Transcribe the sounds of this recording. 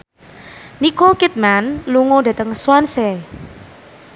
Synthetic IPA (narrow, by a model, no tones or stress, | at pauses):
nikokit̪̚manluŋod̪a̤t̪əŋswansɛ